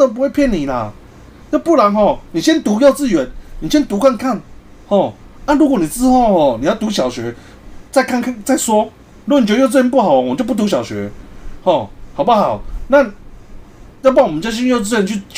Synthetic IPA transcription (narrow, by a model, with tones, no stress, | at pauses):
ə˥˩˧p̬u˧˦we˥˩ɪpʰjɛ˥˨nːi˨˩la˨ | jo˥ʊpu˥˩la˨˦nɦɔ˥˩ni˨˩ɕjɛ˦nt̪u˨˥jo˥˧ʊt͡sɹ̩˥˩ɥɛ˨˧˦nni˨˩ɕjɛ˦˥nt̪u˧˥kʰa˥˧nkʰa˥˩n | hɔ˥˩ | na˥˨ɻu˧˥kwɔ˧˦ni˨˩t͡sɹ̩˥˧xo˥˧ʊhɔ˥˩ni˨jɑ˥˩ʊt̪u˨˦˥ɕjɑ˨˩ʊɕɥɛ˧˥˦ | t͡sa˥˧ɪkʰa˥˧nkʰa˥˧nt͡sa˥˩ɪswɔ˥ | ɻu˧˥˨n˨t͡ɕjt͡s̬̩˥˩jɛ˧˦˥p̬u˥˩hɑ˨˩˦t͡ɕo˥ʊp̬u˥t̪u˧˥˩ɕjɑ˨˩ʊɕɥɛ̰˨˦˥hɔ˥˩hʊp̬u˥˩xɑ˨˩ʊna˥˨ | jɑ˥˧ʊpa˥˩ŋwɔ˨mə˦t͡ɕja˥˩ɕ̬i˥˦jo˥˧ʊt͡s̬̩˥˩ɥnt͡ɕʰy˥˩